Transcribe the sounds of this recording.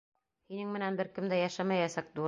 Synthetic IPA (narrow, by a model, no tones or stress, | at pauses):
hinɘŋmɘ̆nænbɘɾkɘ̆md̪æjæʃæmæjæsæk̚d̪uɾ